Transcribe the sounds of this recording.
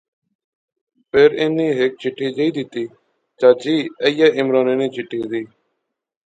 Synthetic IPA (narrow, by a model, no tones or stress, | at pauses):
peːɾɪniːɦek̚t͡ʃɪʈːiːd͡ʒiːd̪ɪt̪iː | t͡ʃaːd͡ʒiːəjaːʔɪmɾaːneːniːt͡ʃɪʈːiːd̪iː